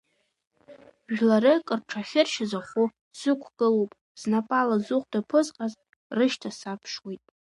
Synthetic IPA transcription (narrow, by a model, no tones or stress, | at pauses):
ʒᶣlaɾɨkʼɨrʈ͡ʂʰaχʲɪrʃɪzaχʷu | sɨkʷʰɡ̥ɨlowpʼ | z̥napʼalazuqʷʼdapʰɨzqʼaz | rɨʃtʰasapʰʂwejtʼ